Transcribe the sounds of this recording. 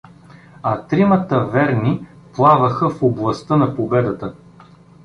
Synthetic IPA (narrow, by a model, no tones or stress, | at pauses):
ɐt̪ɾimət̪əvɛɾni | plˠavɐxəfoblˠɐst̪ɤnɐpobɛd̪ət̪ə